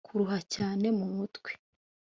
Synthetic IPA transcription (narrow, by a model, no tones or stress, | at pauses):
kʰuɾuɦacaːne̞mumutwe̥